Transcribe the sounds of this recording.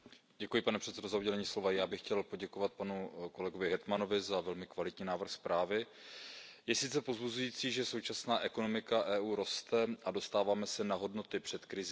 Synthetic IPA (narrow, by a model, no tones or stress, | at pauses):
ɟɛkujɪpanɛpr̥ɛt̪sɛdo̞zauɟɛlɛɲiːslo̞vajaːbɪxcɛlpo̞ɟɛkovat̪̚panuko̞lɛɡovɪɦɛt̪mano̞vɪzavɛlmɪkvalɪt̪ɲiːnaːvr̩xspɾʔaːvɪ | jɛsɪt̪t͡sɛpo̞zbuzujiːt͡siːʒɛsowt͡ʃasnaːʔɛko̞no̞mɪkaʔɛːʔuːɾo̞st̪ɛʔado̞st̪aːvaːmɛsɛnaɦo̞dno̞t̪ɪpr̥ɛt̪kɾɪz